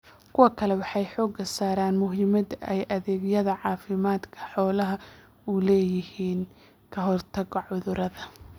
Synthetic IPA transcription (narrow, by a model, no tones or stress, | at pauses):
kʰʊwɐkʰɐlɛwɑħɑjħɔːɡɐsaːɾaːnmʊɦɪmɐd̪ɛjʔɐðɛːɡjɐðɐʕɑːfɪmaːd̪kʰɐ̥ħɔːlɐɦɐ | ʊlɛːjɪhiːn | kʰɐɦɔrt̪ʰɐɣɔʕʊðʊɾɐðɐ